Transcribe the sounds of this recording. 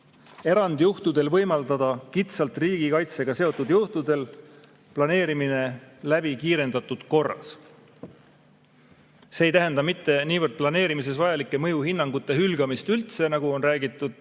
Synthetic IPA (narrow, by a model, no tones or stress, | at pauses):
e̞ɾɑnd̪̥juht̪ud̪̥e̞lvɤ̞jmɑld̪̥ɑd̪̥ɑkit̪sɑlt̪ˑriːɡ̥ikɑjt̪se̞ɡ̥ɑse̞o̞t̪ːˑud̪̥juht̪ud̪̥e̞l | plɑne̞ːɾimine̞læb̥ikiːɾe̞nd̪̥ɑt̪ːˑud̪̥ko̞rːɑ̰s | se̞ejt̪æɦend̪ɑmit̪ˑːe̞niːvərd̪̥̚plɑne̞ːɾimis̬e̞svɑjɑlikːˑe̞mɤjuɦinːɑŋɡ̥ut̪ˑːe̞ɦylɡ̥ɑmist̪ylt̪se̞nɑɡ̥uo̞nræːɡit̪ˑːud̪̥